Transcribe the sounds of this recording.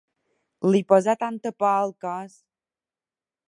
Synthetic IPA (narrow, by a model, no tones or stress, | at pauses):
lipɔzat̪ant̪əpalˠkas